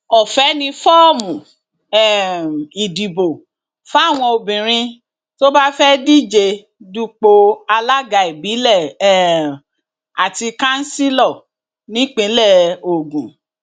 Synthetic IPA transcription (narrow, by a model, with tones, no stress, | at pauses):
ɔ˨fɛ˨˦nĩ˧fɔ˦˨mũ˨ | ɛ˦˨i˨di˨bo˨ | fw̃ɔ̃˧o˨bĩ˨ɾ̃ĩ˧ | to˦ba˦fɛ˦di˦d͡ʒe˧ | du˦k͡po˧a˧la˦ɡa˧i˨bi˨˦lɛ˦˨ | a˨ti˧kã˦n̩˦si˦lɔ˦˨ | nĩ˨˦k͡pĩ˨˦lɛ˦˨o˨ɡũ˨